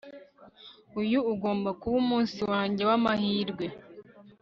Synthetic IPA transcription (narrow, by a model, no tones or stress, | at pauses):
ujuuɡo̞ːmbakuβumuːnsiwaːɲɟe̞wamahiːɾɡwe̞